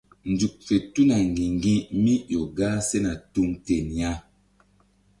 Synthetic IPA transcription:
n˨d͡zu˨k̚fe˨tu˦na˨ŋɡi˨ŋɡĩ˦mi˦jɔ˨ɡa˦sɛ˦na˨tu˦ŋte˨nja˦

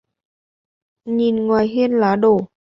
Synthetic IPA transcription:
ɲi˨˩nŋwaː˨˩jɦi˧ənlaː˨˦ɗo˧˩

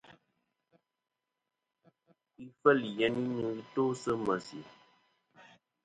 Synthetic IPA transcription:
i˦fə˦li˨jɛ˦ni˦nɨ˨˦ɣi˦to˦sə˦mə˨sḭ˨

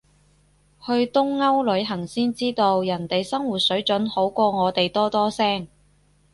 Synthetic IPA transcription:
hɵ˧ɥt̪ʊ˥ŋːɐ˥wlɵ˨˧˥ɥɦɐ˨˩ŋsiː˥nt͡siː˥t̪o˧wjɐ˨˩nt̪e˨jsɐ˥ŋwuː˨t̚sɵ˨˥ɥt͡ʃɵ˨˥nho˨˥wkʷɔː˧ŋɔː˨˧t̪e˨jt̪ɔː˥t̪ɔː˥sɛː˥ŋ

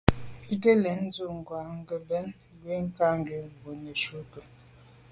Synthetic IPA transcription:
i˦ɡə˦lɛ˨˦n̩˦zu˦˨ŋ̩˨ɡwa˨ŋ̩˦ɡə˨bɛ˦n˦ | ɡwe˦ŋ̩˦ka˦ŋ˦ɡɥe˨˦˨bo˨nə˨ʃu˦kə˨

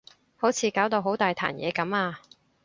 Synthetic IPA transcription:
ho˨˥wt͡sʰiː˨˧kaː˨˥wt̪o˧wɦo˨˥wt̪aː˨jt̪ʰa̰ː˨˩njɛ̰ː˨˧kɐ˨˥maː˧

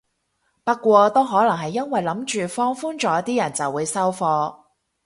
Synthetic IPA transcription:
pɐ˥kːʷwɔː˧t̪o˥wɦɔː˨˥lɐ˨˩ŋɦɐ˨jːɐ˥nwɐ˨jlɐ˨˥mt͡ʃyː˨fɔː˥ŋfuː˥nt͡ʃɔː˨˥jɐ˥t̪iː˥jɐ˨˩nt͡sɐ˨wːuː˨˧jsɐ˥wfɔː˧

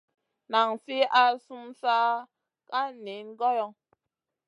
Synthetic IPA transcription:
na˨ŋsi˦a˦su˦msa˦ | ka˦ni˨˦nɡɔ˦jɔ˦ŋ

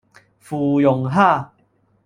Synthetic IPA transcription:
fuː˨˩jo˨˩ŋɦa˥˧˨

